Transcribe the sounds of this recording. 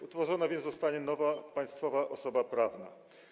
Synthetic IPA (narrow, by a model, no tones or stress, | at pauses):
ut̪fɔʐɔnavʲjɛnt̪zɔst̪aɲɛnɔvapaj̃st̪fɔvaʔɔsɔbapɾavna̰